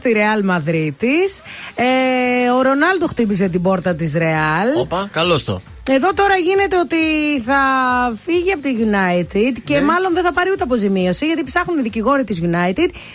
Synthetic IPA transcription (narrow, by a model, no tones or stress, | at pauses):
t̪iɾe̞ɐlmɐðɾit̪iseo̞ɾo̞nɐlt̪o̞xt̪ibis̬et̪̬ibo̞ɾt̪ɐt̪isɾe̞ɐloɐkɐlost̪o̰ | e̞ðo̞t̪o̞ɾɐʝine̞t̪e̞o̞t̪iθɐfiʝiɐpot̪iʝunɐit̪id̪ce̞mɐlo̞nðeθɐpɐɾiut̪eɐpo̞zimio̞siʝɐt̪ipsɐxuniðiciɣo̞ɾit̪izʝunɐjt̪id̪̚